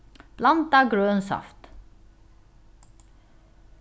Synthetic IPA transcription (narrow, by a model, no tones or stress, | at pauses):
plɑnt̪ɑɡɾøːnsɑ̰ft̪